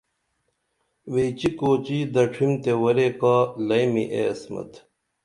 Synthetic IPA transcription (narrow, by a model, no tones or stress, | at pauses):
wet͡ɕikoːt͡ɕiːd̪ɐʈ͡ʂʰimt̪ewɐɾekaːlɐjmiʔeɐsmɐ̰t̪